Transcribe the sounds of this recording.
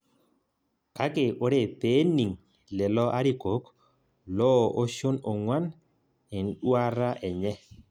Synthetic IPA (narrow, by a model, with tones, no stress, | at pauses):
ka˦ke˨ʔo˨˦ɾe˨pe˦ni˨ŋ | lɛ˨lɔ˦ʔa˦ɾi˦˨ko˨˦k | lɔ˦˨o˦ʃo˦no˨ŋwa˦n | e˨n˦ɗwa˦ɾa˦ʔɛ˨ɲɛ˦